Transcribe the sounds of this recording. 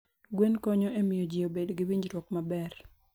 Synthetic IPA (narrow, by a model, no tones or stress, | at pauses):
ɡwenkɔɲɔʔemɪjod͡ʒijobedɡɪwiɲd͡ʒɾwɔkmabɛr